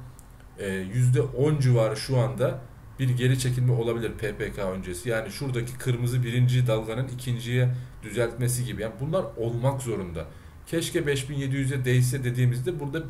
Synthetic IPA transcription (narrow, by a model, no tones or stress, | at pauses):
ɛːjyzd̪ɛʔo̞nd͡ʒivaːɾɯʃuand̪a | b̥iɾɟe̞ɾit͡ʃʰe̞cʰilʲmɛʔo̞lˠabilʲiɾpʰepʰeːkʰaø̞nd͡ʒe̞sijaːniʃuɾd̪acʰi̥kʰɯɾmɯzɯbiɾind͡ʒid̪alˠɡanɯnicʰind͡ʒijɛd̪̥yzælʲt̪me̞siɟibijaːnibunlˠaɾo̞lˠmakzo̞ɾund̪a̰ | cʰɛʃcɛbɛʃbinje̞d̪ijyzd̪ɛd̪e̞jisɛd̪e̞d̪iːmizd̪ɛbuɾd̪a